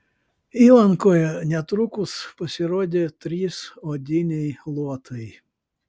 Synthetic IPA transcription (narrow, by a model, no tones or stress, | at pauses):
iːlˠɐŋkoːjɛnʲɛt̪ɾʊkʊspɐsʲɪɾoːd̪ʲet̪ʲɾʲiːsoːd̪ʲɪnʲɛjlˠuɔt̪ʰɐj